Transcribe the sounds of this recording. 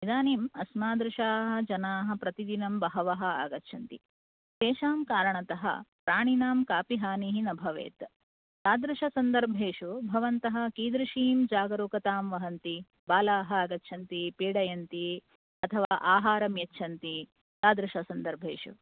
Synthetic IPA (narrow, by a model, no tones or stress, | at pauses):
nid̪aːniːmɐsmaːd̪ɾɪʃaːɦɐ̆d͡ʒɐnaːɦɐ̆pɾɐt̪id̪inɐmbɐɦɐʋɐɦɐ̆a̰ːɡɐtːʃʰɐnt̪ḭ | ʃeːʃaːmkaːɾɐɳɐt̪ɐɦɐ̰pɾaːɳinaːmkaːpiɦaːniɦinɐbʱɐʋḛːt̪ | t̪aːd̪ɾɪʃɐsɐnd̪ɐɾbʱeːʃubʱɐʋɐnt̪ɐɦɐ̆kiːd̪ɾiʃiːmd͡ʒaːɡɐɾuːkɐt̪aːmʋɐɦɐnt̪i | baːlaːɦɐ̆aːɡɐtːʃʰɐnt̪ipiːɽɐjɐnt̪i | ɐt̪ʰɐʋaːʔaːɦaːɾɐmjɐtːʃʰɐnt̪i | t̪aːd̪ɾɪʃɐsɐnd̪ɐɾbʱeːʂṵ